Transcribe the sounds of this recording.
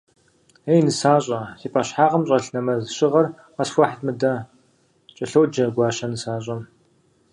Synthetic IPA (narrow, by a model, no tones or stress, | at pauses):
ejnɨsaːɕʼɐsiːpʼaɕħaːʁɐmɕʼɐɬnɐmɐzɨɕɪʁɐr | qɐsxʷɐħtmɨdɐ | t͡ʃʼɐɬowd͡ʒɐɡʷaːɕɐnɨsaːɕ̬ʼɐm